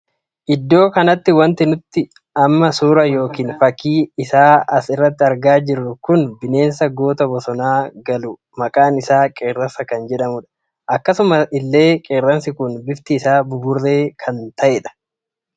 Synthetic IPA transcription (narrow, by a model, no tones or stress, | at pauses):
ʔɪd̪ːo̞ːkɐnɐt̪ːɪwɐnt̪ɪnʊt̪ːɪ | ɐmːɐsuːɾɐjo̞ːkiːnfɐkːiːɪsaːɐsɪrːɐt̪ːɪɐɾɡaːd͡ʒɪrːʊkʊnbɪne̞ːnsɐɡo̞ːt̪ɐbɔsɔnaːɡɐlʊ | mɐkʼaːnɪsaːkʼeːrːɐsɐkɐnd͡ʒɛᶑɐmʊᶑɐ̥ | ʔɐkːɐsʊmɐʔɪlːe̞ːkʼe̞ːrːɐnsɪkʊnbɪft̪ɪːsaːbʊbʊrːe̞ːkʰɐnt̪ɐʔɛᶑɐ̥